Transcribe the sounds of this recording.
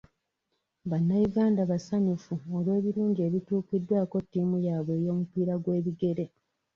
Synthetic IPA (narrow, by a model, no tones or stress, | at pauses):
βanːajuɡaːndaβasaɲufuolwe̞ːβiɾuːɲɟie̞βituːkidːwaːko̞tːiːmujaːβwe̞ːjo̞ːmupiːɾaɡwe̞ːβiɡe̞ɾe̞